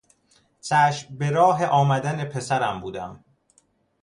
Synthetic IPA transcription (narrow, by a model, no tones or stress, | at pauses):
t͡sʰæːʃbeɾɒːɦe̞ʔɒːmæd̪æne̞pʰe̞sæɾæmbuːd̪æm